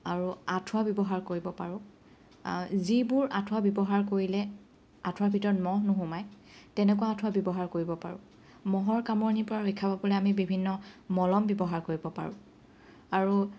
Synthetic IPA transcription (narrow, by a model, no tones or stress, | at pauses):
aɹuatʰʊwabjɔbɔɦaɹkoɹibɔpa̰ɹʊ̃ | zibʊɹatʰʊwabjɔbɔɦaɹkoɹilɛ | atʰwabʱitɔɹɔtmɔɦnuɦʊ̃maj | tɛnɛkʊwaːtʰʊwabjɔbɔɦaɹkoɹibɔpa̰ɹʊ̰̃ | mɔɦɔɹkamɔnipʊɹaɹojkʰːababɔlɛamibibʱinːɔmɔlɔmbjɔbɔɦaɹkoɹibɔpa̰ɹʊ̰̃ | aɹu